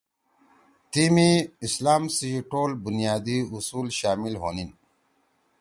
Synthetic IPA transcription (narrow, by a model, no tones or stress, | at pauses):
t̪imiislaːmsiiʈoːlbunjaːd̪iusuːlɕaːmilɦo̰ːnin